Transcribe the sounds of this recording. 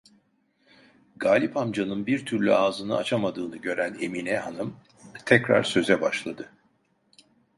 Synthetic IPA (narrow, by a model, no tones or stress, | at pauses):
ɡaːlʲipamd͡ʒanɯnbiɾt̪ʰyɾlʲy̰aːzɯnɯʔa̰t͡ʃʰamad̪ɯːnɯɟø̞ɾæne̞minɛhanɯm | t̪ʰɛcɾa̰ɾsø̞zɛbaʃlˠad̪ɯ